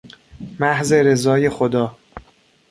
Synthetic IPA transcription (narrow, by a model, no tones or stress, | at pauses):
mæhze̞ɾe̞zɒːje̞xod̪ɒː